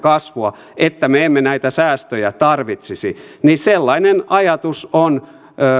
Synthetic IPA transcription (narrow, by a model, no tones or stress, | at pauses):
kɑsʋuɑ | et̪ːæmeemːenæit̪æsæːst̪øjæt̪ɑrʋit̪sisḭniselːɑinenɑjɑt̪usonː